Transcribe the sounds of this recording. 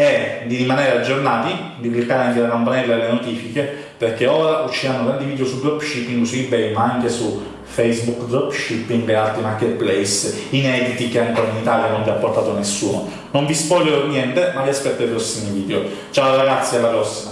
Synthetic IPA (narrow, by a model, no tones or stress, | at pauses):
ed̪iɾimaneːɾead͡ʒːornaːt̪i | d̪iplikːaɾeaŋkelakampanɛlːaelːenot̪iːfike | perkeoːɾaʔut͡ʃːianːoɡ̪ɾand̪iviːd̪eosudɾɔpːʃipːiŋɡsuibɛjmaaŋkesu | fɛjsbukd̪ɔpʃipːiŋɡealt̪ɾimarkːet̪̚plɛjs | inɛːd̪it̪ikeaŋkoːɾainit̪aljanonviapːort̪aːt̪onesːuːno̰ | noɱvispɔjːeɾonjɛnt̪emaviaspɛt̪ːoipɾɔsːimiviːd̪eo | t͡ʃaoɾaɡat̪sːjalːapɾɔsːima